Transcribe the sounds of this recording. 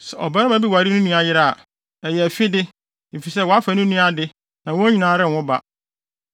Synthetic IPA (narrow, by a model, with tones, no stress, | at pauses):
sɛ˨ɔ̰˨ba˦ɾa˦ma˨˦bi˦wa˨ɾi˦nũ˦nũ˦a˨jɪ˦ɾa˦a̰˨ | ɛ˨jɛ˨fɪ˦dɪ˦ | m̩˨fi˨sɛ˦wɔ˨˦a˦fa˨nʊ̃˦nũ˦a˦dɪ˦ | nã˨wɔ̃˦ɲĩ˦nãː˨˦ɾɪ˦˨n˨wʊ̃˦ba̰˦